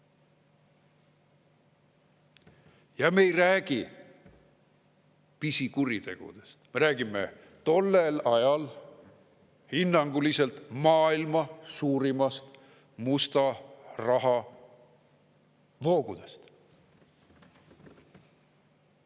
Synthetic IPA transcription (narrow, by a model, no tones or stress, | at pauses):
jɑme̞jræːɡ̥i | pisikuɾit̪e̞̰ɡ̥ṵd̪̥e̞st̪meɾæːɡimḛ | t̪o̞lːe̞lɑjɑl | hinːɑŋɡ̥uliselt̪mɑːilmɑsuːɾimɑst̪ | must̪ɑrɑɦɑ | vo̞ːɡ̥ud̪̥e̞st̪